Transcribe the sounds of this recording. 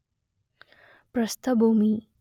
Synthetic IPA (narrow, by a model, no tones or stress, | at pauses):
pɾɐst̪ʰɐbʱumi